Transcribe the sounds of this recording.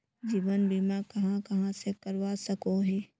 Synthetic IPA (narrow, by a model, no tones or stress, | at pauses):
d͡ʒiːʋənbʱimãkɐɦãkɐɦãsekəɾʋasɐkoɦɛː